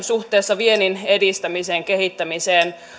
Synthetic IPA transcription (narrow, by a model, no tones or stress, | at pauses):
nsuht̪eːsːɑʋieninedist̪æmiseːŋkehit̪ːæmiseːn